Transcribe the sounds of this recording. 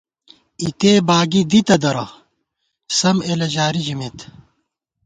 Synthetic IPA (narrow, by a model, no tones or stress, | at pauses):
it̪eːbaːɡid̪it̪ɐd̪ɐɾɐ̰ | sɐmelɐʑaːɾid͡ʑimet̪